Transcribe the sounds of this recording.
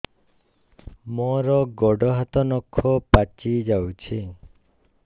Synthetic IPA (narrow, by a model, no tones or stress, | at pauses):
mɔɾɔɡɔɖɔɦat̪ɔnɔkʰːɔpat͡ʃid͡ʒawt͡ʃʰi